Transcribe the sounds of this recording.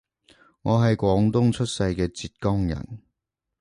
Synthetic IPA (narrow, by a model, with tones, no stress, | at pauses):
ŋɔː˨˧ɦɐ˨jkʷɔː˨˥ŋt̪ʊ˥ŋt͡ʃʰɵ˥t̚sɐ˧jkɛː˧t͡siː˧t̚kɔː˥ŋjɐ̰˨˩n